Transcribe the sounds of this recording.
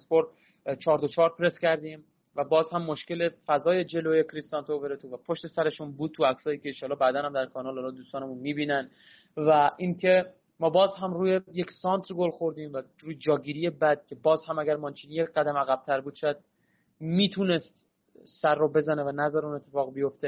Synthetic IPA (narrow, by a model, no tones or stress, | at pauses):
spoɾd̪ | t͡ʃʰɒːɾd̪ot͡ʃʰɒːɾpʰɾe̞scæɾd̪iːm | væbɒːzhæmːoʃce̞le̞fæzɒːje̞d͡ʒe̞loːjekʰɾist̪ɒnt̪ooveɾet̪ʰuvæpʰoʃt̪e̞sæɾe̞ʃunbuːd̪̚tʰuæksɒːjiːcʲeːnʃɒːlːɒːbæd̪ænhæmd̪æɾkʰɒːnɒːlɒːlɒːd̪uːst̪ɒːnemunmiːbiːnæn | væʔiːncʰe̞ | mɒːbɒːzɦæmɾuːjeje̞csɒːnt̪ʰɾɡolxoɾd̪iːmvæ | ɾuːjed͡ʒɒːɡiːɾije̞bæd̪̚cʰʲe̞bɒːzhæmæɡæɾmɒːnt͡ʃʰiːnijeɢæd̪æmæɣæb̥̚t̪ʰæɾbuːd̪̥ʃɔjæd̪̥̚ | miːt̪ʰune̞st̪ | sæɾːobe̞zænevænæzæɾeuːne̞t̪ʰːe̞fɒːɣbijo̞ft̪e